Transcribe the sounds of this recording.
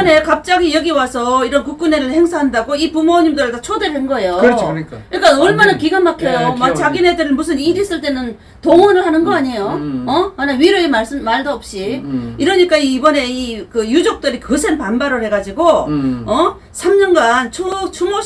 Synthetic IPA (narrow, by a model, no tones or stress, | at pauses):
ne̞kap̚t͡ɕ͈aɡijeɡiwasʰʌiɾʌnkuk͈̚une̞ɾɯɭhe̞ŋsʰaɦandaɡoipumoɲimdɯɾetat͡ɕʰodeɾɯɭhenɡʌejoik͈aɲik͈anoɭmanankiɡanmakʰejomak̚t͡ɕaɡine̞dɯɾɯmus̬ʰɯniɾis͈ɯɭt͈e̞nɯn | toŋʌnɯɭhanɯnɡʌaɲejoʌanaɥiɾjoemas͈ɯmaɭdoʌp̚ɕ͈iiɾʌɲik͈aiːbʌne̞ikɯjud͡ʑok̚t͈ɯɾikɯsʰenpanbaɾɯɭhe̞ɡad͡ʑiɡoʌ | sʰamɲʌnɡant͡ɕʰot͡ɕʰumo